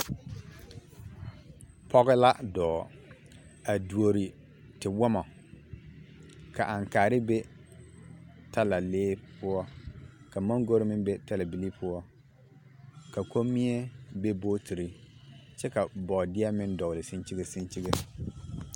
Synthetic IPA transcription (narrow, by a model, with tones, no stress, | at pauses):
pɔ˦ɣɪ˦la˦dɔː˨ | a˨du˨o˨ɾi˨ | tɪ˨wɔ˦mɔ˨ | ka˨ʔa˨ŋkaː˨ɾɪ˦be˦ | tʰa˦la˨leː˦pʊ˦ɔ˦ka˨ma˦ŋɡo˦ɾɪ˦mɪ˦be˦ta˦la˨bi˨li˦pʰʊ˦ɔ˦ | ka˨ko˦mːi˦e˦be˦boː˦tʰi˨ɾi˦t͡ʃɛ˦ka˨bɔː˨dɪ˦a˦mɪ˦ndɔ˨lɪ˨si˦nt͡ʃi˦ɡe˨si˦nt͡ʃi˦ɡe˦